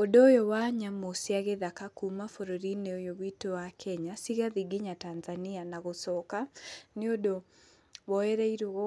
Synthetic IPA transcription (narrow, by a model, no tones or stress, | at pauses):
odojɔwaɲamosjaɣeðakakumafoɾoɾineojowitowakʰɛɲasiɣaðiɡɪɲatanzanianaɣosɔkanɪodo | wɔɛɾɛiɾoɣɔ